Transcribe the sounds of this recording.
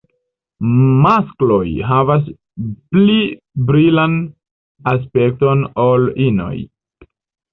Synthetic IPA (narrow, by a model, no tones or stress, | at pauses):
masklo̞jɦavas̬ | pli | bɾilan | as̬pe̞k̚to̞nolino̞̰j